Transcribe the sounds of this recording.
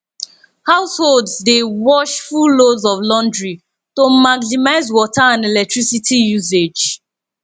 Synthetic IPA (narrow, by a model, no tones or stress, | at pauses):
haʊsholdzdewɔʃfullozɔvlɔ̃ndɹi | tomaɡnimaɪzwɔtaãndelɛk̚tɹisitʰijuzed͡ʒ